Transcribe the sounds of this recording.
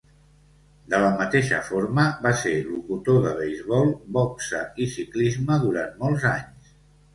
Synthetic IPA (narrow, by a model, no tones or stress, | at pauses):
d̪ələmət̪eʃə̰foɾməβaseɾlukut̪oðəβ̞ejzβɔlˠbɔksə̰isiklizməðuɾanmɔlˠzaɲs